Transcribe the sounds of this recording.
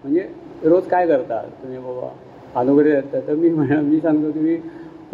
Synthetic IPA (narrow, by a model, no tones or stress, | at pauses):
m̤əɳd͡zeɾod͡zkajkəɾt̪a̰t̪umeboba̰ | anuɡɾeɾət̪ət̪əɾmiːm̤əɽamiːsãŋɡt̪okimiː